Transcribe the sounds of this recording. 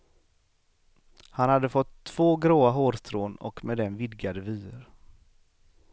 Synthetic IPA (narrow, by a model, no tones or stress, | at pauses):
hanhad̪ːəfɔt̪ʰːv̥oːɡɾoːaɦoːɾst̪ʰɾoːnɔ̰kmeːd̪ɛnvɪd̪ɡad̪əvyːɾ